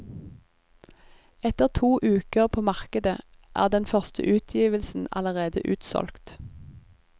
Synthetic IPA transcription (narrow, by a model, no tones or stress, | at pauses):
ɛt̪əʁt̪ʰuːʔʉːkəʁpʰoːmɑʁkəd̪ə | ʔæ̰ːʁd̪ɛnfœʁst̪ʰə̰ʔʉːt̪ʰjiːʋəlsn̩ɑ̰ləʁeːd̪ə̰ʔʉːt̪sɔ̰lkt̪